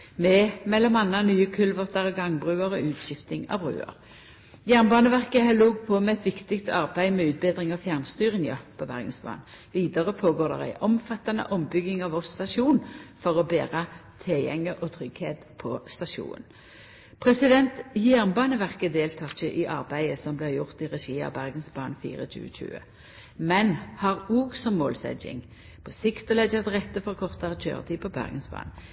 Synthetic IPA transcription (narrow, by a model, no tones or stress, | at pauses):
mɛmɛlːɔmɑnːɑnyːəkʰʉlʋɔʁt̪ɑʁəɡɑŋbʁʉːəʁɔʉːt̪ɕɪft̪ɪŋɑ̰ʋbʁʉ̰ːə̰ʁ | jæʁnbɑːnəʋæʁkəhæluːɡ̚pʰɔmɛɛt̪ʋɪkt̪ɪkt̪ʰɑ̰ʁbæɪmɛːʉːt̪̚bed̪ʁɪŋɑfjæʁnst̪yːʁənɪɑpʰɔʋæ̰ʁɡənsbɑ̰ːn | ʋiːd̪əʁəpʰoːɡoːʁd̪ɛ̰ʁæ̰ɪʔɔmfɑt̪ːɑnə̰ʔɔmbʏɡɪŋɑʋɔʁst̪ɑʃuːnfɔʁɔbeːʁət̪ʰɛljɛ̰ŋːəʔɔt̪ʰʁʏɡheːt̪pʰɔst̪ɑʃṵːnə̰n | pʰʁɛsɪd̪ɛnt̪jæʁnbɑːnəʋæʁkəd̪eːlt̪ʰɑːçəʔɪʔɑʁbæɪəsɔmblɛjʊʁt̪ɪʁɛʃiːɑ̰bæʁɡənsbɑːnfḭːʁəɕʉ̰ːəɕʉ̰ːə̰ | mɛnhɑʁuːɡsɔmːo̰ːlsɛ̰d͡ʒɪ̰ŋ | pʰɔsɪkt̪ɔlɛd͡ʒəɑt̪ʁɛt̪ːəfɔʁkʰɔʁt̪ɑʁt̪ʰø̰ːʁt̪ʰiːpʰɔbæ̰ʁɡənsbɑ̰ːn